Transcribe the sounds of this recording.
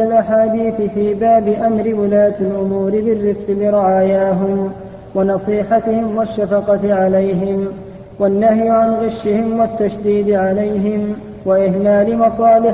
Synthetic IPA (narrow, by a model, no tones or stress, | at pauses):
alʔaħaːd̪iːθɪfiːbaːbɪʔamɾɪwʊlaːt̪alʔʊmuːɾɪbɪrːɪfqɪlɪɾˤɪʕaːjaːɦʊm | wanɑsˤiːħat̪ɪhɪmwaʃːafɑqɑʕalajɦɪm | wanːahjʊʕanɣɪʃːɪhɪmwat̪ːaʃd̪iːd̪ʕalajɦɪm | waʔɪhmaːlɪmɑsˤɑːlɪ